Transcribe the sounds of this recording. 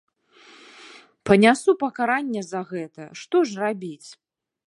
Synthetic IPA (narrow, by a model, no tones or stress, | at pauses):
pɐnʲasupɐkaɾanʲːɛzɐɣɛt̪ɐʂt̪ɔʐrabʲit͡sʲ